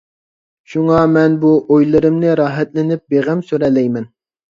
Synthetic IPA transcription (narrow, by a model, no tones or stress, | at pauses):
ʃuŋɑmɛnbuʔojlˠɨɾɨmnɪɾɑːɦɛt̪lɪnɪp̚beʁæmsyɾɛlːɛjmɛn